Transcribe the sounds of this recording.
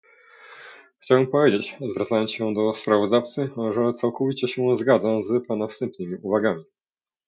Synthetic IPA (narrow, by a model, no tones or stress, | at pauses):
xt͡ɕawɛmpɔvʲjed͡ʑet͡ɕzvɾat̪sajɔnsɕɛd̪ɔspɾavɔzd̪aft̪sɘʐɛt̪sawkɔvʲit͡ɕɛɕɛzɡad̪zazpanafst̪ɛmpnɘmʲiʔuvaɡamʲi